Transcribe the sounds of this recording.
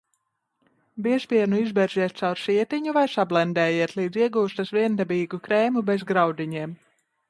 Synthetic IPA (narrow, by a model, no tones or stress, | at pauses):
biɛspʲiɛnuizbɛɾziɛt̪̚t̪sawɾsiɛt̪iɲuvajsablˠɛnd̪ɛːjiɛt̪lˠiːd̪ziɛɡuːst̪asviɛnd̪ɛbiːɡukɾɛːmubezɡɾawd̪iɲiɛm